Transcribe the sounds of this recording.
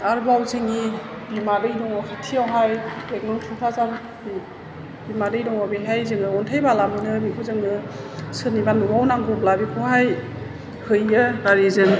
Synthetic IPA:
aɾbawzɯŋi | bimadɯjdɔŋɔkʰatʰijawɦajbek̚nɔŋtʰipʰazaɾ | bi | bimadɯjdɔŋɔbiɦajzɯŋɯɔntʰajbalamɯnɯmikʰuzɯŋɯ | sɯnibanɔbawnaŋɡɔp̚labikʰuhaj | hɯjɯnaɾizɯŋ

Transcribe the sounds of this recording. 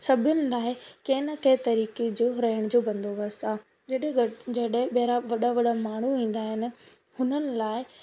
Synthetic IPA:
sɐbʱɪjʊnɪ̆laːɪkeːnəkɐɪt̪ɐɾiːked͡ʑoːɾɐɦɪəɽ̃d͡ʑoːbɐ̃nd̪ʱoʋɐst̪aː | d͡ʑɐɗɦɪ̃d͡ʑɐɗɦɪ̃ɓɐɦɾaʋɐɗaʋɐɗamaːɽ̤uĩːn̆d̪aːɦɪnɪ̆ | hʊnənɪ̆laːɪ

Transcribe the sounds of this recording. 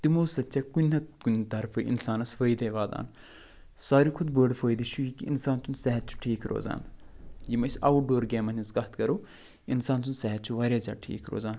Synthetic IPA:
t̪imoːzɐt̪t͡sʲɐkunʲɦɐkunʲt̪ɐɾfʰɨʔḭnsaːnɐsfəːjd̪eʋaːd̪a̰ːn | saːɾikʰud̪bəːɖfəːjd̪iʃʰujikiinsaːnt̪unsɛɦɐt̪̚t͡ʃʰu̥ʈʰiːkʰɾo̰ːza̰ːnjimɐsʲɐ̰ːʋuɖoːɾɡʲɛːmɐnʲisɡɐht̪kɐɾoː | insaːnt̪unsɛɦɐt̪̚t͡ʃʰuʋaːɾʲjaːzʲa̰ːʈʰḭːkɾo̰ːzaːn

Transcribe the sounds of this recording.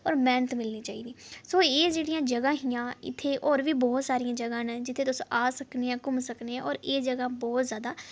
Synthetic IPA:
ɔːɾmɛːnət̪mɪlniːt͡ʃaːḭːd̪iːsoːeːd͡ʒeːɽijãːd͡ʒəɡãːɦijãːɪ̰t̪ʰːeːʔɔːɾʋiːbɔːt̪saːɾijãːd͡ʒəɡãːnd͡ʒɪt̪ʰːeːt̪ʊsõʔaːsəkneːãːkʊmsəkneːãːɔːɾeːd͡ʒəɡãːbɔːt̪zjaːd̪aː

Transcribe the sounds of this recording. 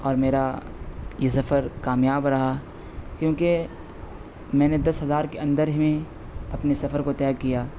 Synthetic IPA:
ɔːɾmeːɾa | jesɐfəɾkaːmjaːbɾɐɦa | kjõːke | mɛ̃ːned̪ɐsɦɐzaːɾkeɐ̃nd̪əɾɦmẽ | ɐpnesɐfəɾkot̪ɛːkijaː

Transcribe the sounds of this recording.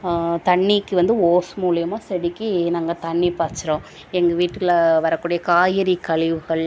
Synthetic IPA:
t̪ɐɳːikːɯʋɐnd̪ɯoːsmuːlɐɪjɐmaːsɛɽɪkːɯnaːŋɡɐt̪ɐɳːipaːɾt͡ʃːɪɾõː | ɛŋɡɐʋiːʈːɯɐlʋɐɾɐkːuːɽɐjɐkaːjɪɾikɐɭɪʋɯɣɐɭ

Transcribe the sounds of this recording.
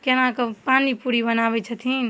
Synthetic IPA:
kenakəpanipuɾibənabɛt͡ʃʰət̪ʰin

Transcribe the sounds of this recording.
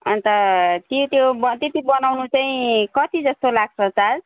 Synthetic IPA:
ʌnt̪ʌt̪jot̪jobʌt̪jet̪ibʌnawnut͡saĩkʌt̪id͡zʌst̪olaɡ̚sʰʌt͡sad͡z

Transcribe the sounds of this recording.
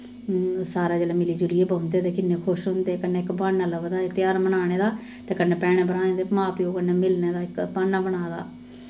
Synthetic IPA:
saːɾaːd͡ʒɛːleːmɪliːd͡ʒʊɽieːbaʊnd̪eːt̪eːkɪnːeːkʰʊʃɦʊnd̪eːkənːeːɪkbaːnːaːləʋd̪aːet̪ɪjaːɾmənaːɽ̃eːd̪aː | t̪eːkənːeːpɛːɽ̃eːbənaːẽːd̪eːpmaːpjoːkənːeːmɪlneːd̪aːɪkbaːnːaːbəɽ̃aːd̪a̰ː

